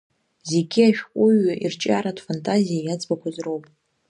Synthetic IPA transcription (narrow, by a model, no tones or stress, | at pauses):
ze̞ɡʲiaʃᶣqʷʼʊɥaʔirt͡ʃʼa̰ɾatʰfantʼazijajad͡zbakʷʰazro̞wpʼ